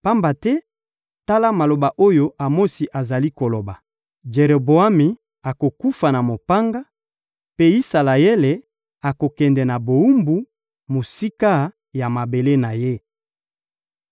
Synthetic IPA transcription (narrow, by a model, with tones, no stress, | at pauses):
pa˦mba˨tɛ˦ | ta˦la˦ma˨lo˨ba˨ʔo˦jo˦ʔa˨mo˦si˨ʔa˨za˨li˦ko˨lo˨ba˨ | d͡ʒe˨ʁe˨bo˨a˦mi˨ | a˨ko˨ku˦fa˨na˨mo˨pa˦ŋɡa˦ | pe˦i˦sa˨la˨je˦le˨ | a˨ko˨kɛ˨ndɛ˨na˨bo˨u˦mbu˨ | mo˨si˦ka˦ | ja˨ma˨be˨le˦na˨je˦